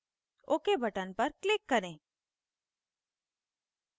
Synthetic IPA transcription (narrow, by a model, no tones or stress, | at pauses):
oːkebʱəʈənpəɾklɪkːəɾẽː